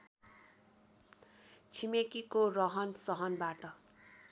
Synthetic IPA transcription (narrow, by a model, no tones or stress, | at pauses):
t͡sʰimekikorʌɦʌnsʌɦʌnbaʈʌ